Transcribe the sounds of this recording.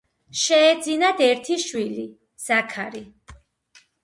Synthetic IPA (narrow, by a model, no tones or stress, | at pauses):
ʃɛːd̪zinad̪ɛɾt̪ʰiʃwili | z̥akʰaɾi